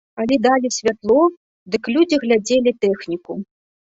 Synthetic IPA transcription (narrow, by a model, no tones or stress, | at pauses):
alʲɛd̪alʲisʲvʲat̪lˠɔ | d̪ɨklʲud͡zʲiɣlʲad͡zʲelʲit̪ɛxnʲiku